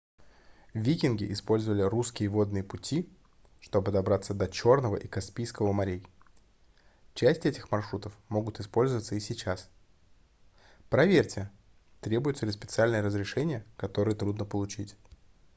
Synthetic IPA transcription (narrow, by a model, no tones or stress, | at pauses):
vʲikʲɪnɡʲɪʔɪspo̞lʲzəvəlʲɪruskʲɪjəvo̞d̪nɨjəpʊtʲi | ʂt̪o̞bɨd̪ɐbɾat̪sːəd̪ɐt͡ɕo̞rnəvə̰ʔikɐspʲijskəvəmɐɾʲej | t͡ɕæsʲtʲɛtʲɪxmɐrʂɾut̪əfmo̞ɡʊt̪ɨspo̞lʲzəvət̪səɪsʲɪt͡ɕas | pɾɐvʲerʲtʲɪə | t̪ɾʲebʊjʊt̪səlʲɪspʲɪt̪sɨalʲnəjəɾəzɾʲɪʂɛnʲɪjəkɐt̪o̞ɾɨjət̪ɾud̪nəpəlˠʊt͡ɕitʲ